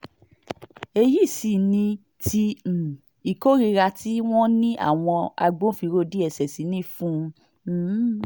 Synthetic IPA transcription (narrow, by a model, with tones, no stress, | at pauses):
e˧ji˦˨si˨nĩ˧ | ti˧˨ | i˨ko˦ɾi˧ɾa˧ti˦w̃ɔ̃˦nĩ˦ʔa̰˦˨w̃ɔ̃˧a̰˧ɡ͡bõ˦fi˧ɾo˦˨di˦ɛ˦˨sɛ˨si˨˦nĩ˦˨fũ˦˧˦